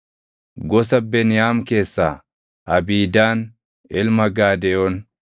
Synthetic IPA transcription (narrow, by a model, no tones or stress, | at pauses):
ɡɔs̬ɐbenɪjaːmke̞ːsːaː | ʔɐbiːd̪aːn | ɪlmɐɡaːd̪ɛjɔn